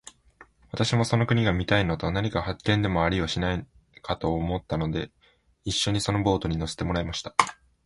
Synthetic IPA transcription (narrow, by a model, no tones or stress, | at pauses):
βat̪aɕimo̞so̞no̞kɯ̟ɲ̟iɡamʲit̪ainot̪onaɲ̟ikahakːẽ̞nd̪e̞mo̞aɾʲioɕinai | kat̪o̞ːmo̞t̪ːano̞d̪e̞ | iɕːo̞ɲ̟iso̞no̞bo̞ːt̪o̞ɲ̟ino̞se̥t̪e̞mo̞ɾaemaɕi̥t̪ḁ